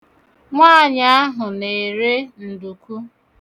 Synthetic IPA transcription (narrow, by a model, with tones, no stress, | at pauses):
ŋʷa˦˨ɲa˦a˦ɦʊ˨ne˨ɾe˦n̩˨du˨ku˦